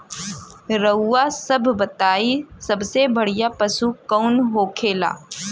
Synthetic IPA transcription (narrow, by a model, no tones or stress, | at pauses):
ɾɐːasɐbʱbɐt̪aːisɐbsebɐɽ̤ijapɐsukɐʊnɦoːkʰeːla̰ː